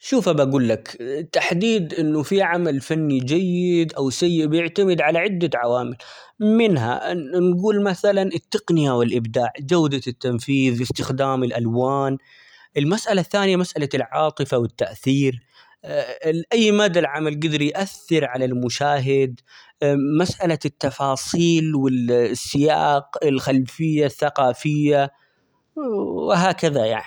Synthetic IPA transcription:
ʃuːfabʔaɡuːlːakt̪ːaħd̪iːd̪ʔɪnːʊfiʕamalfanːid͡ʒajːɪɪd̪ʔawsajːɪʔbjɪʕt̪amɪd̪ʕalaʕɪd̪ːaʕawaːmɪl | mɪnɦa̰nɡuːlmaθalanɪt̪ːɪqnɪjawɪlʔɪbd̪aːʕd͡ʒawd̪at̪ːamfiːðwɪst̪ɪxd̪aːmɪlʔalwaːn | ʔɪlmasʔalaθːaːnɪjamasʔalalʕɑːt̪ˤɨfawɪt̪ːaʔθiːɾ | ʔajːmaːd̪alʕamalɡɪd̪ɪɾijʔaθːɪɾʕalalmʊʃaːɦɪd̪ | masʔalat̪ːɑfɑːsˤiːlwɪsːɪja̰ːqɪlxalfɪjːaθːaqɑːfɪjːa | wɪɦaːkaðajaʕni

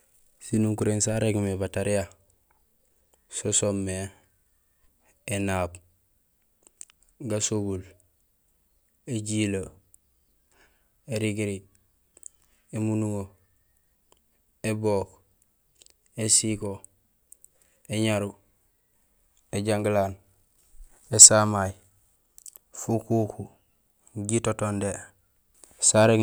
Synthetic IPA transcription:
sinuŋkuɾensaɾeɡmebataɾija | sosomːe | enaːb | ɡasoɡul | eɟilo | eɾiɡiɾi | emunuŋo | eboːk | esiko | eɲaɾu | eɟaŋɡilaːn | esamaj | fukuku | ɟitotonde | saɾe

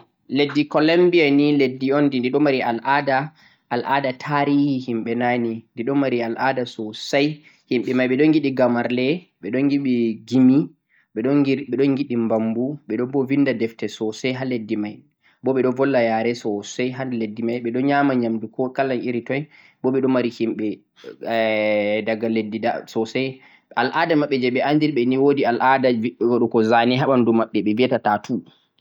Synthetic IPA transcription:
ledːikɔlambianiledːiɔndindiɗɔmaɾialʔada | ʔːlʔaːdatʰaɾihihimɓɛnanindiɗɔmaɾialʔadasɔsaj | himɓɛmajɓɛɗɔnɡiɗiɡamaɾlɛ | ɓɛɗɔnɡiɓiɡimi | ɓɛɗɔiɓɛɗɔnɡiɗimbambuɓɛɗɔbɔvindadɛftɛsɔsajɦaledːimaj | bɔɓɛɗɔvɔlːajaɾɛsɔsɛɦaledːimajɓɛɗɔnɲaːmaɲamdukɔkalanʔiɾitɔj | bɔɓɛɗɔmaɾihimɓɛ | daɡːaledːida̰sɔsɛj | alʔadamaɓːɛd͡ʒɛɓɛandiɾɓɛniwodialʔadawɔɗukɔzaniɦaɓandumaɓːɛɓɛviatatatʰu

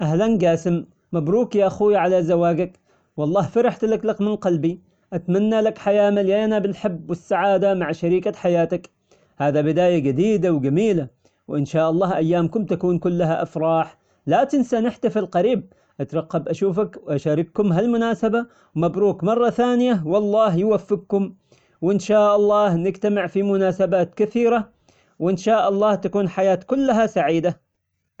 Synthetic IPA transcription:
ʔahlanɡaːsɪmː | abɾuːkjaʔaxuːjʕalazawaːɡak | wɑlˤːɑːhfɑɾɪħt̪laklakmɪnqɑlbi | ʔat̪manːalakħajaːmaljaʔnabɪlħɪbːwɪsːaʕaːd̪amaʕʃaɾiːkaħajaːt̪ak | haːðabɪd̪aːjaɡad̪iːd̪awɡamiːla | wʔɪnʃaːʔɑlˤːɑːhʔajːaːmkʊmt̪akuːnkʊlːaɦaʔafɾˤɑːħ | lat̪ɪnsanɪħt̪afɪlqɑɾiːb̚ | ʔat̪ɾˤɑqːɑbʔaʃuːfakwʔaʃaːɾɪkkʊmɦalmʊnaːsaba | wmabɾuːkmɑrˤːɑθaːnɪjawɑlˤːɑːɦjwafːɪɡ̚kʊm | wɪnʃaːʔɑlˤːɑːhnɪɡt̪amɪʕfimʊnaːsabaːt̪kaθiːɾa | wʔɪnʃaːʔɑlˤːɑːht̪akuːnħajaːt̪kʊlːaɦasaʕiːd̪a

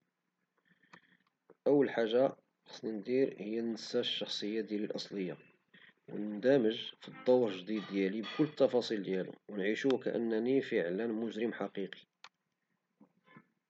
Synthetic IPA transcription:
ʔəwːəlħaʒːa | ħɑ̥sːnind̪iɾhəjːænnəsːæʃːɑxsˤəjːad̪jælilʔɑsˤləjːa̰ | wnd̪æməʒfid̪ˤːɑwɾʒd̪id̪ːjælibkʊlːət̪ːɑfɑsˤild̪jælṵwnʕiʃuwkæʔə̰nːænifəʕlənmʊʒɾəmħɑqiqi̥

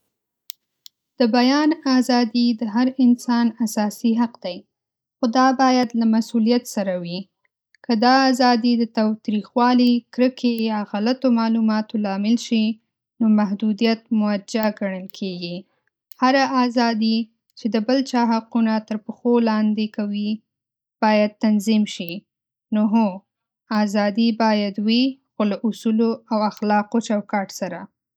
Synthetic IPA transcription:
d̪̥əbajɑnazɑd̪id̪əɦaɾɪnsɑnasɑsiɦaqd̪aj | xod̪ɑbɑjad̪lamasulijat̪saɾawi | kəd̪ɑːzɑd̪id̪ət̪ɑwt̪ɾixwɑlikɾəkʰejɑɣalat̪omɑlumɑt̪olɑmɪlʃi | nomaɦd̪ud̪ijat̪mʊad͡ʒaɡaɳəlkʰeɡi | haɾaʔazɑd̪i | t͡ʃed̪əbəlt͡ʃɑɦaqunat̪əɾpəxolɑnd̪ekawi | b̥ɑjad̪̚t̪anzimʃi | noɦo | azɑd̪ibɑjad̪wixolaʔʊsuloawaxlɑqot͡ʃawkɑʈsaɾa

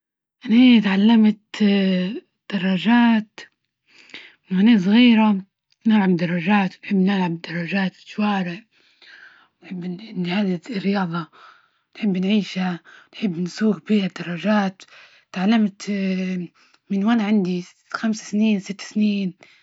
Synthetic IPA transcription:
ʔanahiːt̪ʕalːamt̪ | d̪̥ɑrˤːɑʒaːt̪ | ɪnwaneːs̬ˤɣiːɾa | nɪlʕabd̪ɑrˤːɑʒaːt̪wnħɪbːnɪlʕabd̪ɑrˤːɑʒaːt̪ʃwaːɾɪʕ | wnħɪbːnhad̪ɪrːɪjɑːðˤɑ | nħɪbːnʕiːʃhanħɪbːnsuːɡbiːhad̪ːɑrˤːɑʒaːt̪ | t̪ʕalːamt̪ | mɪnwanaʕɪnd̪i | xamsḁsniːnsɪt̪ːsniːn

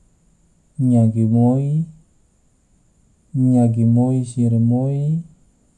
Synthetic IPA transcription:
ɲaɡimoi | ɲaɡimoisiɾemoi

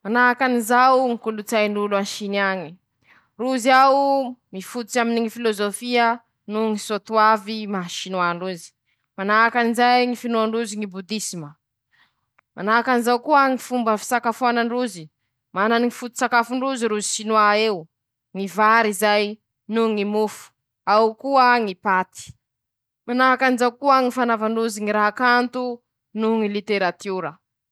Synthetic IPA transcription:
manakanizawŋikulut͡sajnuluanʃinaɲi | ruziawmifut̪ut͡saminiŋifilozofiə | nuŋisot̪uavimaʃinwaɳɖ͡ʐuzi̥ | manakanizajŋifinuaɳɖ͡ʐuziŋibud̪isimə | manaːkanizawkuəŋifumbəfi̥sakafanaɳɖ͡ʐuzi | mananiŋifut̪u̥sakafuɳɖ͡ʐuziɾuziʃinwaew | ŋivaɾizaj | nuŋimufu̥ | awkuəŋipat̪i̥ | manaakanizawkuəŋifanavaɳɖ͡ʐuziŋiɾaɦakant̪u | nuŋilit̪eɾat̪uɾə

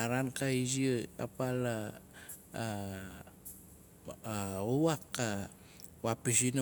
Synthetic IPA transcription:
aɾankaiziɯka̰pala | owakːa | wapisin

